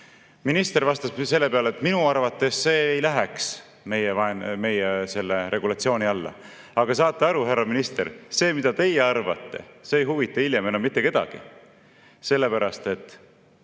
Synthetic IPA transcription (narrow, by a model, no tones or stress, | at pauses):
minist̪e̞ɾvɑst̪ɑsse̞lːepeɑlet̪ːminuɑrvɑt̪ːˑe̞sːe̞ːjlæɦeks | me̞jevɑenme̞jese̞lːeɾʔe̞ɡ̥ulɑt̪sio̞ːniɑlːɑ̰ | ɑɡ̥ɑsɑːt̪ːˑeɑɾuɦærːɑminist̪eɾse̞ːmid̪̥ɑt̪e̞jeɑrvɑ̰t̪ːe̞̰seːjɦuvit̪ːˑɑiljemenomit̪ːe̞ke̞d̪̥ɑ̰ɡ̥ḭ | se̞lːepæɾɑst̪e̞t̪ːˑ